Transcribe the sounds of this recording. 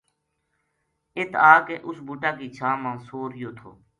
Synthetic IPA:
ɪt̪ʰaːkeːʔʊsbuːʈaːkiːt͡ʃʰaːmãːsoːɾɪjoːt̪ʰo̰ː

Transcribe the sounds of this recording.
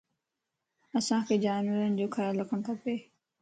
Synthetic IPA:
əsãːkʰeːd͡ʑaːnʋəɾənɪ̆d͡ʑoːkʰəɾalɐkʰəɽ̃t̪ʰapeː

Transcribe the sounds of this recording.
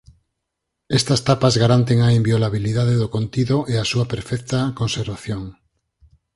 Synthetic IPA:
est̪ast̪apazɣaɾant̪eŋaimbjolaβiliðað̞eðokont̪iðoʔeasuapeɾfɛk̚t̪akõnseɾβaθjoŋ

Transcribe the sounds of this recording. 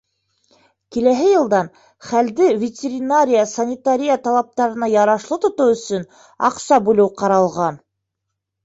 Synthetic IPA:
kilæɦɘjɤ̆lˠd̪ɑn | χæld̪ɘvʲɪtʲɪɾʲɪnaɾʲɪjəsɐnʲɪt̪aɾʲijət̪ɑlˠɑp̚t̪ɑɾɤ̆nɑjɑɾɑʃlˠɤt̪ŏt̪ɤwɵ̆sɵn | ɑ̰qsɑbʉlɘwqɑɾɑlˠʁɑn

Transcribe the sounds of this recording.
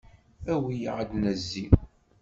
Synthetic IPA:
æwijʕəd̪næzːi

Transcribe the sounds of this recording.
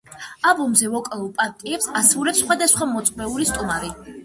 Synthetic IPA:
abɔmzɛvɔkʼɛulˠpʼaɾt̪ʼiɛpsasvulɛpsχwad̪asχwamɔt̪sʼmɛulist̪ʼumaɾi

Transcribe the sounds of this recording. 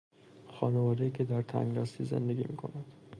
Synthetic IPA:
xɒːnevɒːd̪eiːcʰed̪æɾt̪ʰæ̰ŋɡɒːst̪izḛnd̪e̞ɡʲḭmiːkʰo̞̰næd̪̥

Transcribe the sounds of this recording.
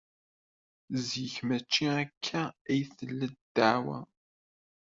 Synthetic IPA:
zjiçmæt͡ʃːiækʰːææjθəlːəd̪d̪̥aʕwæ̰

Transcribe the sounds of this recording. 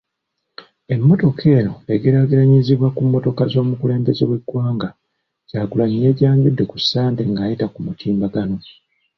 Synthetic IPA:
e̞mːo̞to̞kʰe̞ːno̞e̞ɡiɾaɡiɾaɲiziβwakumːo̞to̞kazo̞ːmukule̞ːmbezḛβwe̞ɡwaːŋɡa | ɟ̥aːɡulaɲije̞ːɟaːɲɟudːe̞kusːaːnte̞ŋɡaːjitakumutʰiːmbaɡano̞

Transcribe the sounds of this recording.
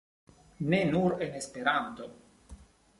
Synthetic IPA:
nenuɾenespeɾant̪o

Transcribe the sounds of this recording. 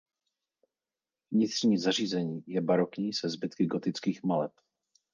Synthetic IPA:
vɲɪt̪rɲiːzar̝iːzɛɲiːjɛbaɾokɲiːsɛzbɪt̪kɪɡot̪ɪt͡skiːxmalɛp

